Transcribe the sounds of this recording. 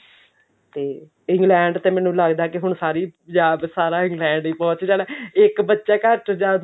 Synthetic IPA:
t̪eː | ɪ̃ŋɡlɛ̃ːɳɖt̪eːmɛ̃ːnũːləɡd̪aːkɪɦʊɳsaːɾiːd͡ʒaːbsaːɾaːɪ̃ŋɡlɛ̃ːɳɖiːpɔ̃ːt͡ʃd͡ʒaːlɛɪkbətːʃaːkəɾʈd͡ʒaːd̪

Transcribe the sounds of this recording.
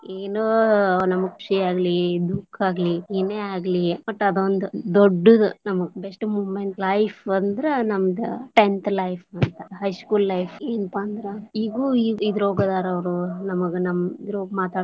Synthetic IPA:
eːnoːnɐmɐɡkːu̥ʂiaːɡlid̪ukʰːaːɡliineaːɡlibɐʈːɐd̪ond̪ud̪oɖːud̪unɐmɐɡbesʈmuːʋmeɳt̪lɐjpʰɐnd̪ɾenɐmɐd̪uʈent̪ʰlɐjpʰɐnt̪ɐɦɐjskuːllɐjpeːnɐpaɐnd̪ɾeiːɡuːiid̪ɾoːɡɐd̪aːɾɐʋɾunɐmɐɡenɐmɐid̪ɾoːɡmaːt̪aː

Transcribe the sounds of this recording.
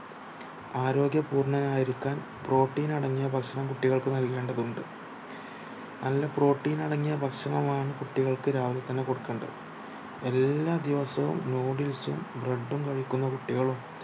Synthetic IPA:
aːɾo̞ːɡjɐpuːrɳɐnaːjiɾikʲːaːn | pro̞ːʈːiːnɐɽɐŋːijɐbʱɐkʂɐɳɐmkuʈːiɣɐɭkɨnɐlke̞ːɳɖɐðuɳɖɨ | nɐlːɐpro̞ːʈːiːnɐɽɐŋːijɐbʱɐkʂɐɳɐmaːɳɨkuʈːiɣɐɭkɨɾaːʋɐlɐt̪ːɐnːeko̞ɽukːeːɳɖɐ̰ | e̞lːaːd̪iʋɐsɐʋṵmnoːɽilsṵmbreɖːumkɐɻikʲːunːɐkuʈːiɣɐɭum

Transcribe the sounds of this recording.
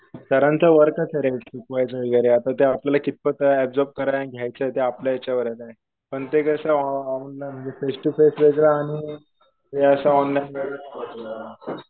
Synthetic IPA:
t̪əɾãnt͡səʋəɾkat͡səɾesikʋajt͡saʋiɡaɾeat̪at̪eapljalakit̪̚pət̪ɛp̚d͡zɔp̚kəɾajaɡʱjajt͡səet̪eapljajat͡ɕjaʋəɾəɾaɦe | pəɳt̪ekəsaunlam̤əɳd͡zefesʈufesʋed͡zɾaːɽ̃i | t̪eəsaɔnlajnbeɡəɾkot̪oa

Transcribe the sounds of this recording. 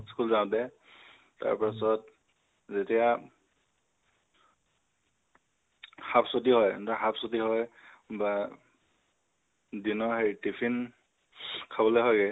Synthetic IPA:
skulzãtɛ | ta̰ɹpasɔt | zetija | xapʰsot̬iɦɔjntaxapʰsotiɦɔj | ba | dinɔɦejtipʰin | kʰabɔloɦɔjɡɛ

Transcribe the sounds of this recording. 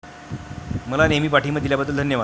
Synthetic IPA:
məlanemiːpaʈʰiːməd̪iljabəd̪ːəld̪ʱənjəʋa

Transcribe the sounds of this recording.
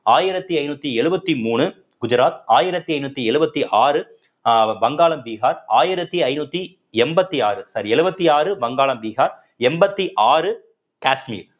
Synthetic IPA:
aːjɪɾɐt̪ːiɐɪnuːt̪ːiɛɻɯbɐt̪ːimuːɳɯ | ɡ̥ʊd͡ʒɐɾaːt̪̚aːjɪɾɐt̪ːiɐɪnuːt̪ːiɛɻɯbɐt̪ːiʔaːɾɯ | bɐŋɡaːlɐmbiːɣaːɾaːjɪɾɐt̪ːiɐɪnuːt̪ːi | ɛmbɐt̪ːiaːɾɯsɐɾiɛɻɯbɐt̪ːiaːɾɯʋɐŋɡaːlɐmbiːɣaːɾ | ɛmbɐt̪ːiʔaːrɯ | kaːsʈmḭːl

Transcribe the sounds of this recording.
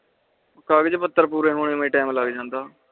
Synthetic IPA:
kaːɡɪd͡ʒpət̪ːəɾpuːɾeːɦoːɽ̃eːmẽːʈɛːmlaːɡd͡ʒãːnd̪aː

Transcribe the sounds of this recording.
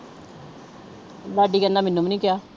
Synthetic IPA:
ʋaːɖiːkənːaːmɪnːũːmnĩːkɪjaː

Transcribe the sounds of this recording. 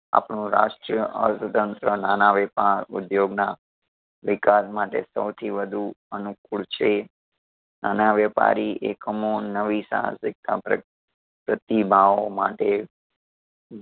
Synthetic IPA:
a̰pɳũɾa̰ʃʈɾəʔə̰sət̪ənt̪ɾənanaʋɛpaɾṵd̪joɡna | ʋɪkasmaʈḛsəwt̪ʰiʋəd̪ʱuənuk̚uɭt͡ʃʰe | nanaʋɛpa̰ɾiekəmonːəʋisã̰ɦã̰sɪk̚t̪ʰa̰p | pɾət̪ibʱaomaʈe

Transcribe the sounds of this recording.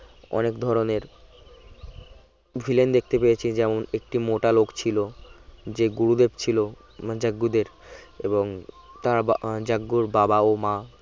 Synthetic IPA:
ɔ̰nekd̪ʱɔɾoneɾ | bʱilend̪ek̚ʰt̪epejet͡ɕʰid͡ʑɛmonek̚ʈimoʈalokt͡ɕʰilod͡ʑeɡuɾud̪ebt͡ɕʰilo | d͡ʑaɡːud̪eɾ | eboŋ | t̪aɾd͡ʑaɡːuɾbabaoma

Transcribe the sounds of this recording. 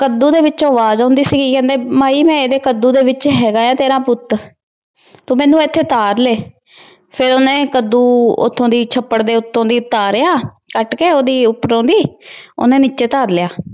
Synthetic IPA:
kəd̪uːd̪eːʋɪt͡ʃoːʋaːzaːnd̪iːsiːɡiːkɛ̃ːnd̪eːmaːiːmɛ̃ːeːd̪eːkəd̪ːuːd̪eːʋɪt͡ʃɦɛːɡaːjãːt̪eːɾãːpʊt̪ | t̪õːmɛ̃ːnũːet̪ʰːeːt̪aːɾleː | pʰɪɾoːnẽːkəd̪ːuːʊ̰t̪ʰːõːd̪iːt͡ʃʰəpːəɽd̪eːʊt̪ʰːõːd̪iːt̪aːɾejaː | kəʈkeːoːd̪iːʊpɾõːnd̪iːo̰nẽːniːt͡ʃeːt̪aːɾljaː

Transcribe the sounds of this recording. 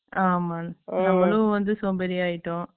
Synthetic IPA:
aːmaːnɐmːɐɭɯʋɐnd̪ɯsoːmbɛɾiaːjɪʈːõ

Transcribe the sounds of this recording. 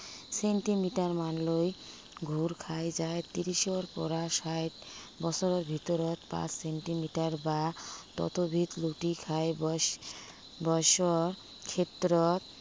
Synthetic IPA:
seɳʈimiʈaɾmanloj | ɡʱuɾkʰaed͡ʑaet̪iɾiʃoɾpɔ̰ɾaʃajʈbɔsʰoɾoɾbʱit̪oɾɔt̪pa̰t͡ɕseɳʈimiʈaɾbat̪ɔ̰t̪obʱit̪luʈikʰaeb | bɔjʃɔoɾ | kʰet̪ːɾɔt̪

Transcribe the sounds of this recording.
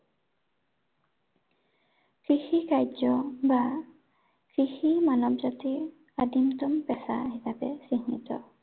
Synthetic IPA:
kɹixikajd͡ʒɔba | kɾiximanɔbzati | adimt̪ɔmpɛsa̰hisapɛsiŋḭt̪ɔ̰

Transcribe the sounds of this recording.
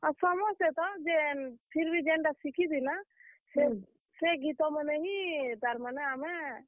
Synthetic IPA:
asɔmɔset̪ɔd͡ʒenpʰiɾbʱid͡ʒeɳɖasikʰid̪inase | seɡit̪ɔməneɦĩd̪aɾmaneame

